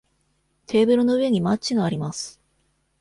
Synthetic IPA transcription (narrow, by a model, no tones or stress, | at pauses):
t̪ʰe̞ːbɯ̟ɾɯ̟no̞ɯ̟e̞ɲ̟imat͡ɕt͡ɕiɡaːɾʲimasɨ̥